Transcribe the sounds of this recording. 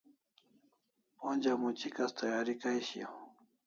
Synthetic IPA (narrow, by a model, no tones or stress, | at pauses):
ond͡ʒamʊt͡ʃɪkast̪ʰajaɾɪkajʃḭ